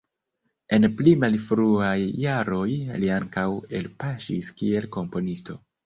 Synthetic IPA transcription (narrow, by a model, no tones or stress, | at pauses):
e̞nplimalfɾuajːaɾo̞jliaŋkawe̞lpaʃiskie̞lko̞mpo̞nisto̞̰